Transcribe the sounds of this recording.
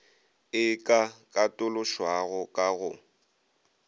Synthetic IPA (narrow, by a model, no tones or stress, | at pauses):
ɪkʼakʼatʼʊlʊʃwaɣʊkʼaɣʊ